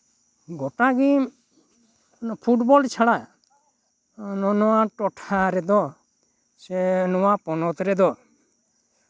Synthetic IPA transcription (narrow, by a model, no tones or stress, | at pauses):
ɡɔʈaɡim | pʰuʈbɔlt͡ʃʰaɽa | nɔnɔwaʈɔʈʰaɾɛd̪ɔ | sɛnɔwapɔnɔt̪ɾɛd̪ɔ